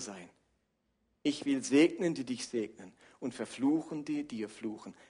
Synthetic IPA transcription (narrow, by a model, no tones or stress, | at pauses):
zaɪn | ʔɪçv̥ɪlzeːɡnəndiːdɪçz̥eːɡ̚nən | ʊntfɛɐfluːxən̩diːɐdiːɐfluːxən̩